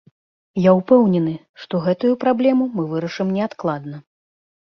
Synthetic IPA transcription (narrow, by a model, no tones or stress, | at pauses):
jaupɛwnʲɛnɨ | ʂt̪ɔɣɛt̪ujupɾablʲɛmumɨvɨɾɐʂɨmnʲɛat̪klˠad̪nɐ